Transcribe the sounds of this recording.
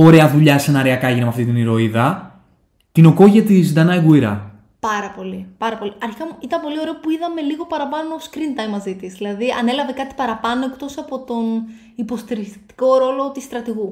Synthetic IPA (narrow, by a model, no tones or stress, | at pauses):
o̞ɾe̞ɐðuʎɐsenɐɾiɐkɐeʝinemɐft̪it̪iniɾo̞iðɐ | t̪ino̞ko̞ʝɐt̪izd̪ɐnɐjɣuiɾɐ̰ | pɐɾɐpo̞lipɐɾɐpo̞liɐɾçiɐmuit̪ɐmpo̞lio̞ɾe̞opuiðɐme̞liɣo̞pɐɾɐpɐnoːskɾint̪ɐjmːɐzit̪izðilɐðiɐne̞lɐve̞kɐt̪i̥pɐɾɐpɐnoe̞kt̪o̞sɐpo̞t̪o̞n | ipo̞st̪iɾist̪i̥ko̞ɾo̞lo̞t̪ist̪ɾɐt̪iɣu